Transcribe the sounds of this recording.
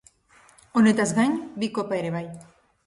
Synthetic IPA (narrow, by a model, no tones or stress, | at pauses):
onet̪azðaɲbikopaeɾeβaj